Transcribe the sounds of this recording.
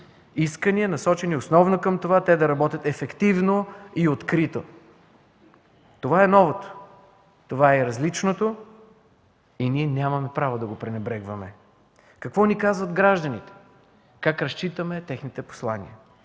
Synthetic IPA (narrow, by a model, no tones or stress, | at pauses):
iskəniənɐsɔt͡ʃɛniosnɔvnokəmt̪ovat̪ɛd̪ɐɾɐbɔt̪ʲɐt̪ɛfɛkt̪ivnoiot̪kɾit̪o | t̪ovaɛnɔvot̪o̥ | t̪ovaɛɾɐzlit͡ʃnot̪o | iniɛnʲamɐmɛpɾavod̪ɐɡopɾɛnɛbɾɛɡvɐmɛ | kɐkvɔnikazvɐd̪ɡɾaʒd̪ənit̪ɛ̥ | kakɾɐst͡ʃit̪əmɛt̪ɛxnit̪ɛpo̥slˠanḭə